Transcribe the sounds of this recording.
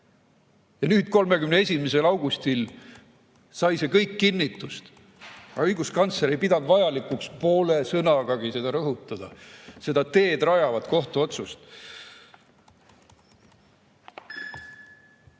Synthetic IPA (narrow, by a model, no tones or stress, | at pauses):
jɑnyːd̪̥̚ko̞lme̞ɡymnee̞sʲimese̞lɑwɡ̥ust̪il | sɑjse̞kɤjkːinːit̪ːˑust̪ | ɑɤjɡuskɑnt̪sleɾejpid̪ɑnd̪vɑjɑlikːˑukspo̞ːle̞sɤnɑɡ̥ɑɡ̥ise̞d̪ɑɾɤɦut̪ːˑɑd̪̥ɑ̰se̞d̪ɑt̪e̞ːd̪̥rɑjɑvɑd̪̥ko̞ht̪uo̞t̪sust̪